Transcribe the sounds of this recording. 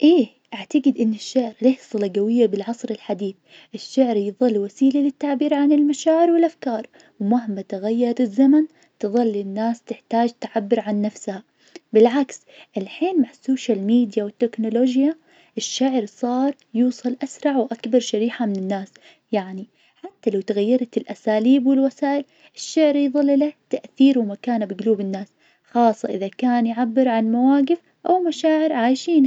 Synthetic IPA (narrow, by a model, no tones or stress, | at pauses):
ʔeː | ʔaʕt̪aɡɪd̪ʔɪnːɪʃːaʕɾleːħsˤɨlaɡawɪjːabɪlʕɑsˤɾɪlħad̪iːθ | ʔɪʃːaʕɾjɨðˤɨlːwasiːlalɪt̪ːaʕbiːɾʕanɪlmaʃaːʕɪɾwɪlʔafkɑːɾˤ | wmaɦɪmːat̪aɣajːɑɾˤɾɪzːaman | t̪ɨðˤɨlːɪnːaːst̪ɪħt̪aːd͡ʒt̪aʕabːɪɾʕanːafsha | bɪlʕaks | ʔɪlħiːnmaʕasːoːʃalmiːd̪jawɪt̪ːɪknʊloːd͡ʒja | ʔɪʃːaʕɾsˤɑːɾˤjuːsˤɑlʔasɾˤɑʕwʔakbɑɾˤʃaɾiːħamɪnɪnːaːs | jaʕni | ħat̪ːalawt̪ɪɣajːɑɾˤɑt̪ɪlʔasaːliːbwɪlwasaːʔɪl | ɪʃːaʕɾjðˤɨlːlat̪aʔθiːɾwɪmakaːnbɪɡluːbɪnːaːs | xɑːsˤːɑʔɪðakaːnjʕabːɪɾʕanmawaːɡɪf | ʔawmaʃaːʕɪɾʕaːjʃiːn